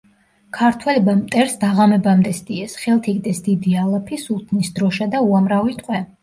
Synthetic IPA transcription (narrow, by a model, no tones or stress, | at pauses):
kʰaɾt̪ʰwɛlɛbamt̪ʼɛɾsd̪aʁamɛbamd̪ɛsd̪ʼiɛsχɛlˠt̪ʰikʼd̪ɛsd̪id̪ialˠapʰisulˠt̪ʰnisd̪ɾɔʃad̪auamɾavit̪ʼqʼwɛ